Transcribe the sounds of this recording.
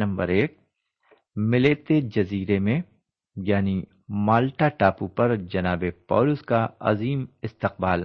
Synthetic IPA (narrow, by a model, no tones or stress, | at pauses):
nɐ̃mbə̰ɾeːk̚ | mɪleːt̪ed͡ʒɐziːɾemẽ | jaːni | maːlʈaʈaːpupɐɾd͡ʒɐnaːbepɔ̰ːlʊskaɐ̰ziːmɪst̪ɪq̚baːl